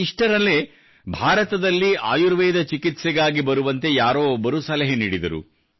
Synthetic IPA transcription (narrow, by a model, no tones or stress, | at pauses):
iʂʈɐɾɐle̞ː | bʱaːɾɐt̪ɐd̪ɐlːiaːjuɾʋɛːd̪ɐt͡ʃikit̪sɛɡaːɡibɐɾuʋɐnt̪e̞jaːɾoːbɐɾusɐlɐɦeniːɽid̪ɐ̰ɾṵ